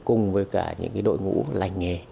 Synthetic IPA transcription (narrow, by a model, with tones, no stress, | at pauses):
kʊ˨˩ŋ͡mvəː˨˦jkaː˧˩ɲɨ̰˧˥ŋkaː˨˦jɗo̰˧˨jŋṵ˧˥la̰˨˩jŋ̟ŋe˨˩